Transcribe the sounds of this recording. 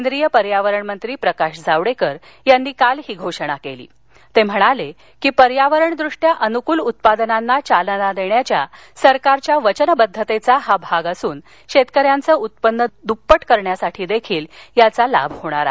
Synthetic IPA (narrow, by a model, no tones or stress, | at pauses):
nd̪ɾijəpəɾjaʋəɾəɳmənt̪ɾiːpɾəkaɕd͡zʱaʋɽekəɾ | janːiːkalɦiːɡʱoʂɽ̃akelḭː | t̪em̤əɽ̃ale | kiːpəɾjaʋəɾəɳd̪ɾuʂʈjaʔənukuːlut̪̚pad̪ənanːat͡ɕalnad̪eɳjat͡ɕja | səɾkaɾt͡ɕjaʋət͡ɕənbəd̪ʱːət̪et͡saɦabʱaɡasuːn | ɕet̪kəɾjant͡səːut̪̚pənːəd̪upːəʈkəɾɳjasaʈʰiːd̪ekʰiːljat͡sala̰bʱhoɽ̃aɾa̰